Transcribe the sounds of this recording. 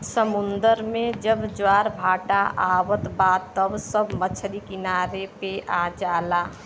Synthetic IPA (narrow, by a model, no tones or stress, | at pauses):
səmʊnd̪əɾmẽd͡ʒəbd͡ʒwaːɾbʱaːʈaʔaːwət̪baːd̪t̪ːəbsəbmət͡ʃʰɾikinaːɾepead͡ʒaːlaː